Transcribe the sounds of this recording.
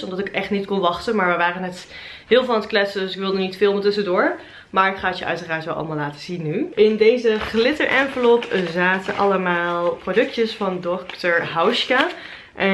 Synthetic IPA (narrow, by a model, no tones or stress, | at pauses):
ɔmdɑtɪkɛχtnitkɔnʋɑχtənmaːɹʋɛjʋaːrənɛt | ɦɪːlˠvlˠanətklɛtsədɵsɪkʋɪlˠdənitfɪːlˠmətɵsədʊːɹ | maːɹɪkχaːətjəʔœ̰ɥtəraːɹtʋɛlˠɑ̰lˠəmaːlaːtə̥zinːyɪndejzəχlɪtəɹʔɛnvəlɔpzaːtənʔɑ̰ləmaːlˠprodɵk̚təsfɑndɔktəɹɦawʃka | ʔɛ